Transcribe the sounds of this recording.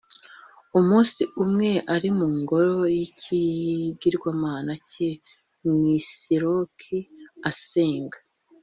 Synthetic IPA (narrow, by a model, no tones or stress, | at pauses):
umuːnsiʔumŋe̞ʔaɾimuːŋɡo̞ɾo̞jiciɡiɾɡwamaːnace | mwiːsiɾokʰiaseːŋɡḁ